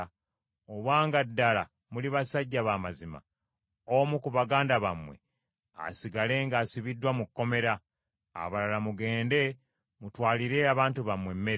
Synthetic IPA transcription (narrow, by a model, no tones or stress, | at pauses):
oβwaːŋɡadːala | muliβasaɟːaβaːmazima̰ | omukuβaɡaːndaβamwe̞ | a̰siɡale̞ŋɡaːsiβidːwamukːo̞me̞ɾa | a̰βalalamuɡe̞ːnde̞ | mutwaːliɾe̞aβaːntuβamwe̞mːe̞ɾ